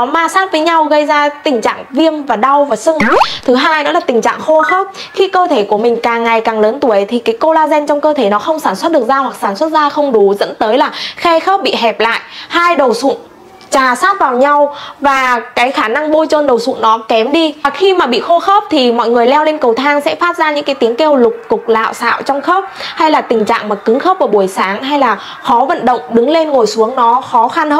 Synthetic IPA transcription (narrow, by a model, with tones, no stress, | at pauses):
ɔ˨˦maː˧saː˦˥t̚vəː˨˦jɲa˧wɣə˧jzaː˧t̪ï˨˩ŋ̟t͡ɕa̰ː˧˨ŋvi˧əmvaː˨˩ɗa˧wvaː˨˩sə˧ŋ˨˦t̪ʰɨ˨˦ɦaː˧jnɔ̰˨˦laː˨˩t̪ï˨˩ŋ̟t͡ɕa̰ː˧˨ŋxo˧xə˦˥p̚xi˧kəː˧t̪ʰe˧˩ku˧˩əmï˨˩ŋ̟kaː˨˩ŋːa˨˩jkaː˨˩ŋləː˨˦nt̪u˧˩ə˨˦jt̪ʰi˨˩kaː˨˦jko˧laː˧zɛ˧nt͡ɕɔ˧wŋ͡mkəː˧t̪ʰe˧˩nɔ˨˦xə˧wŋ͡msaː˧˩nswt̚ɗək̚zaː˧hwa˨˩k̚saː˧˩nswə˦˥t̚zaː˧xə˧wŋ͡mɗu˨˦zə̰˧˥nt̪əː˨˦jlaː˨˩xɛ˧xə˦˥p̚ɓḭ˧˨ɦɛ˨˩p̚la̰ː˧˨jʔhaː˧jɗə˨˩wsʊ̰˧˨n | t͡ɕaː˨˩saː˦˥t̚vaː˨˩wɲa˧wvaː˨˩kaː˨˦jxaː˧˩na˧ŋɓo˧jt͡ɕə˧nɗə˨˩wsʊ̰˧˨nnɔ˨˦kɛ˨˦mɗi˧˨˩xi˧maː˨˩ɓḭ˧˨xo˧xə˦˥p̚t̪ʰi˨˩mɔ̰˧˨jŋɨ˨˩əjlɛ˧wle˧nkə˨˩wt̪ʰaː˧ŋsɛ̰˧˥faː˦˥p̚zaː˧ɲɨ̰˧˥ŋkaː˨˦jt̪i˨˦əŋke˧wlʊ˨˩k͡p̚ːʊ˨˩k͡p̚la̰ː˧˨wsa̰ː˧˨wt͡ɕɔ˧wŋ͡mxə˦˥p̚ha˧jlaː˨˩t̪ï˨˩ŋ̟t͡ɕa̰ː˧˨ŋmaː˨˩kɨ˨˦ŋxə˦˥wp̚vəː˨˩ɓu˧˩əjsaː˨˦ŋɦa˧jlaː˨˩ | xɔ˨˦və̰˧˨nɗə̰˧˨wŋ͡mɗɨ˨˦ŋle˧nŋo˨˩jsu˨˦əŋnɔ˨˦xɔ˨˦xa˧nhə˦˧